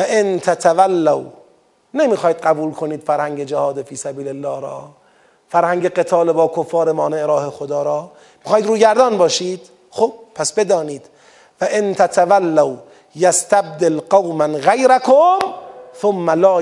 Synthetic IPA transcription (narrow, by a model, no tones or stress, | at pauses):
æʔent̪ʰæt̪ʰavælːaw | nemiːxɒːhiːd̪ɢæbuːlkʰoniːd̪̥fæɾhæŋɟed͡ʒahɒːd̪efiːsæbiːlelːɒːɾɒ̰ː | fæɾhæŋɟeɡet̪ʰɒːlebɒːkʰofːɒːɾemɒːneʔɾɒːhexod̪ɒːɾɒː | miːxɑːhid̪ɾuːɟæɾd̪ɒːnbɒːʃiːd̪̥ | xoːb̥̚pʰæsbe̞d̪ɒːniːd̪̥ | væʔent̪ʰæt̪ʰavælːaw | jast̪æb̚d̪elqɑwmænɣejɾækʰomθomːælɒː